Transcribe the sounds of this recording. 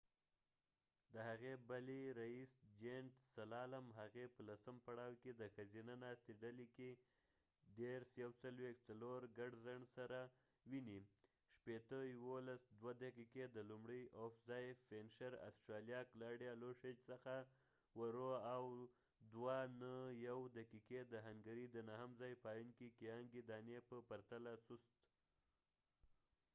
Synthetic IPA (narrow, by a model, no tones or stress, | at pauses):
d̪əhaɣebaliɾaisd͡ʒeɳʈsalɑlamɦaɣepəlasəmpaɽɑwked̪əxazinanɑst̪eɖalike | d̪eɾsjawt͡salwext͡saloɾɡaɖzaɳsaɾa | wini | ʃpet̪əjwolasd̪wad̪akiked̪əlumɽəjofzɑjfenʃaɾa̰sʈɾɑlijɑklɑɽjaloʂed͡ʒsəxa | waɾoaw | d̪wanəjawd̪akiked̪əɦaŋɡaɾid̪ənaɦamzɑjpɑjunkikijɑŋɡid̪ɑnjepəpaɾt̪alasust̪